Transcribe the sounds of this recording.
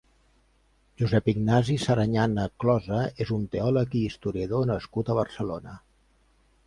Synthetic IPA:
ʒuzɛpiɡnazisəɾəɲanəklɔzəezunt̪eɔləkiːst̪uɾiəðonəskut̪əβ̞ərsəlonə

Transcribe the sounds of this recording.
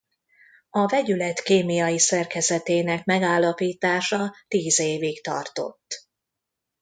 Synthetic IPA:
ɒvɛɟylɛt̪keːmijɒjisɛrkɛzɛt̪eːnɛkmɛɡaːlːɒpiːt̪aːʃɒt̪iːzeːvikt̪ɒ̰rt̪o̞̰t̪ː

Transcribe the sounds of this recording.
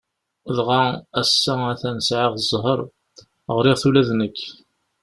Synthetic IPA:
ðʁaæsːææθænsʕɪʁzˤːɦəɾˤ | ʁɾɪʁθulæðnəkː

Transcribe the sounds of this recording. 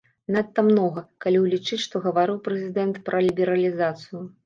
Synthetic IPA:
nat̪ːɐmnɔɣɐkalʲiwlʲit͡ʂɨt͡sʲʂt̪ɔɣɐvaɾɨwpɾɛzʲid̪ɛnt̪pɾʔɐlʲibʲɛɾɐlʲizat̪sɨju

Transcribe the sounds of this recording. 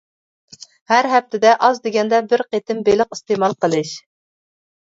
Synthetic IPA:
hæɾɦɛp̚t̪ʰɪd̪ɛʔɑzd̪eɡʲɛnd̪ɛbɪɾqet̪ʰɪmbelɪqi̥st̪emɑlˠqəlˠɨʃ

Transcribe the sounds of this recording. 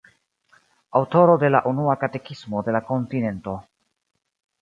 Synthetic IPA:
awto̞ɾo̞de̞laʔunuakate̞kismo̞de̞lako̞ntine̞nto̞

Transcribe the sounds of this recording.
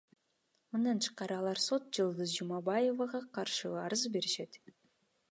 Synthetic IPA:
mɯnd̪ɑnt̪ʰɯ̥qqɑɾɯɑlˠɑɾso̞t̪̚d͡ʒɯlˠd̪ɯzd͡ʒumɑbɑjevɑʁɑqʰɑɾʃɯɑɾɯzbe̞ɾiʃe̞t̪

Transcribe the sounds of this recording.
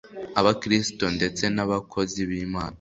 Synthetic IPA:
aβakɾisto̞nde̞t͡se̞naβakʰo̞ziβiːma̰ːna

